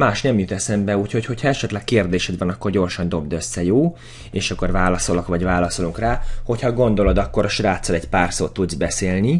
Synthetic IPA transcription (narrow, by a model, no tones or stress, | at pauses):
maːʃnɛmjut̪ɛsɛmbɛuːcho̞cho̞cʰhɒɛʃɛt̪lɛkkeːrd̪eːʃɛd̪vɒnɒkːo̞rɟo̞rʃɒnd̪o̞bd̪ø̞sːɛjoː | eːʃɒkːo̞rvaːlɒso̞lokvɒɟvaːlɒso̞luŋkraːho̞chɒɡo̞nd̪o̞lo̞d̪ɒkːo̞ɾɒʃraːt̪sɒlɛcpaːrsoːt̪ːud̪zbɛseːlni